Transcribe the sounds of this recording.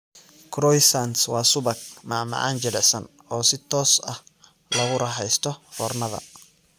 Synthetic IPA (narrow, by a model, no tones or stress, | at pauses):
kʰɾɔjsanswɑːsʊbɐk̚maːma̰ʕʔa̰ːnd͡ʒɐlɛsɐn | ɔːsɪt̪ʰɔːsɐh | lɐɣʊɾɐɦɛjst̪ʰɔfɔːrnɐðɐ̰